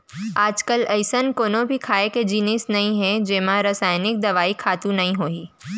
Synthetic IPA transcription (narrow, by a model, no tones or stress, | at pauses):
aːd͡ʒkəlɐɪsənkoːnõbʱikʰaːeked͡ʒiːnɪːsnɐɦĩɦɛ̃d͡ʒeːmãɾɐsaːjnɪk̚d̪ɐʋaːikʰaːt̪ũnɐɦĩɦoːiː